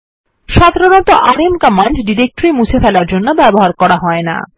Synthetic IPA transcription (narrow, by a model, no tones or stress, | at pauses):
ʃad̪ʱaɾonɔt̪oʔaɾemkɔmːaɳɖɖiɾek̚ʈɾimut͡ɕʰefɛlaɾd͡ʑonːobɛboɦaɾkɔɾaɦɔena̰